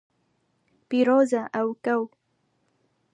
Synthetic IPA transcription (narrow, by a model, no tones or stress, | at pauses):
pɪɾozaʔawkaw